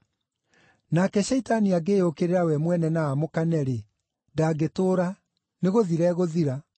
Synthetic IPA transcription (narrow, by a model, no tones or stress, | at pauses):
nakɛɕɛitaniaɡeːokeɾeɾawɛmwɛnɛnaːmokanɛɾe | daɡetoːɾa | neɣoðiɾɛɣoðiɾa